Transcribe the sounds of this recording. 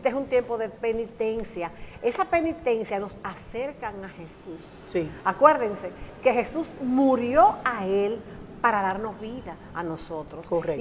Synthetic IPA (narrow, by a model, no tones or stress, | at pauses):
t̪eesunt̪jempo̞ðe̞pe̞nit̪e̞nsjae̞sape̞nit̪e̞nsjano̞sase̞ɾkaŋahe̞sus | siakwe̞ɾðeŋse̞ke̞he̞susmuɾjo̞aelpaɾaðaɾno̞zβiðaːno̞so̞t̪ɾoskore